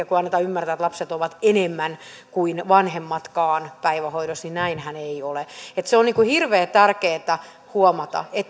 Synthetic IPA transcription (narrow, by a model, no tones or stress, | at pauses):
ɑkuɑnːet̪ɑymːært̪æːet̪lɑpset̪oʋɑt̪enemːæn | kuinʋɑnhemːɑt̪kɑːnpæiʋæhoiɾosninæinhæneioleet̪seonniːŋkuhirʋeːt̪ærkeːt̪æ | huomɑt̪ɑ̰et̪